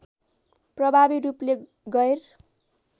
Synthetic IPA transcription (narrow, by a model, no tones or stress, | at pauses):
prʌbʱabiruple | ɡʌer